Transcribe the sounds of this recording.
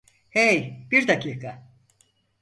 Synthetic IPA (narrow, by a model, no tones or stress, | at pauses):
hejb̥iɾd̪acʰiːkʰa